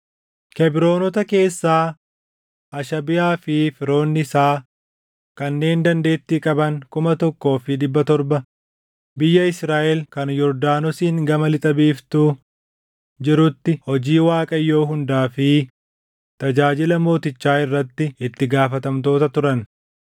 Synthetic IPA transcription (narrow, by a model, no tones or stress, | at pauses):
kɛbɪɾo̞ːnɔt̪ɐke̞ːsːaː | ʔɐʃɐbɪjaːfɪfɪɾo̞ːnːɪsaː | kɐnːe̞ːnd̪ɐnd̪e̞ːt̪ːiːkʼɐbɐŋkʊmɐt̪ɔkːo̞ːfɪd̪ɪbːɐt̪ɔɾbɐ | bɪjːɐɪsɾaːʔɛlkɐnjɔɾd̪aːnɔsiːŋɡɐmɐlɪt̪ʼɐbiːft̪uː | d͡ʒɪɾʊt̪ːɪhɔd͡ʒiːwaːkʼɐjːo̞ːɦʊnd̪aːfɪ | t̪ɐd͡ʒaːd͡ʒɪlɐmo̞ːt̪ɪt͡ʃːaːɪrːɐt̪ːɪɪt̪ːɪɡaːfɐt̪ɐmt̪o̞ːt̪ɐt̪ʊɾɐn